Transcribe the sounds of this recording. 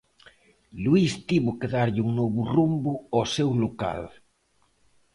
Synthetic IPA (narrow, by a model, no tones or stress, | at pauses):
luist̪iβʊkeðaɾʎɪuŋnɔβʊrumbʊɔsewloka̰l